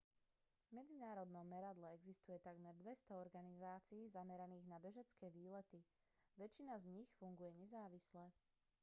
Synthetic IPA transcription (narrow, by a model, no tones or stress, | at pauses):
mɛd͡zinaːɾɔd̪nɔmmɛɾad̪lɛɛɡzist̪ujɛt̪aɡmɛɾd̪ʋɛst̪ɔɔɾɡanizaːt͡siːzamɛɾaniːɣnabɛʒɛt͡skɛːʋiːlɛt̪i | ʋɛt͡ʃinazɲixfuŋɡujɛɲɛzaːʋislɛ